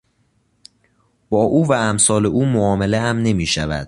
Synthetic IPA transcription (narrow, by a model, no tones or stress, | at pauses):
b̥ɒːʔuːvæːmsɒːle̞ʔuːmoɒːmeleæmne̞miːʃæ̰væ̰d̪̥̚